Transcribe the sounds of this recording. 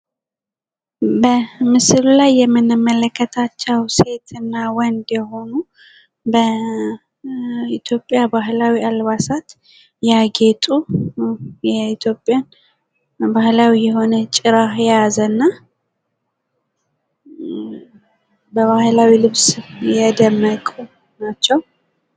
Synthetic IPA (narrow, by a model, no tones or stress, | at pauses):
bəmɨsɨlulajːɛmːɨnːɨmːələkːət̪ʰat͡ʃːɛwse̞t̪ʰɨnːawɔnd̪jɛho̞nu | bə | it̪ʰjo̞pʼːjabaɦlawialβasat̪ | jaɡe̞t̪ʼu | jɛit̪ʰjo̞pʼjan | bahlawijɛɦo̞nət͡ʃʼɪɾahjɛjazənːa | bəβahlawilɨβsjɛd̪əmːəkʼu | nat͡ʃːɛw